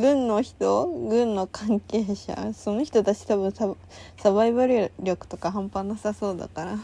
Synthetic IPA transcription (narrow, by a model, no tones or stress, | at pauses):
ɡɯ̟̃nːo̞çi̥t̪o̞ɡɯ̟̃nːo̞kãŋkeːɕa̰so̞no̞çʲi̥t̪o̞t̪at͡ɕi̥t̪aβɯ̟̃ɰsa | saβaiβaɾɾʲo̞kɯ̟̥t̪o̞kaɦãmpanasaso̞ːd̪a̰kaɾa